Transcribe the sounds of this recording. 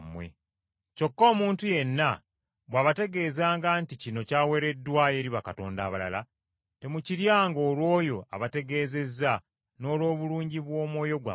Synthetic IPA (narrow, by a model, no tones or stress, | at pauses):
mwe̞̰ | co̞kːo̞ːmuːntuje̞nːa | βwaːβate̞ɡe̞ːzaːŋɡanticino̞caːwe̞ɾe̞dːwaje̞ːɾiβakato̞ːnda̰ːβala̰la | te̞muciɾjaːŋɡo̞ːlwo̞ːjo̞a̰βate̞ɡe̞ːze̞zːa | no̞ːlwo̞ːβuluːɲɟiβwo̞ːmwo̞ːjo̞ɡwa̰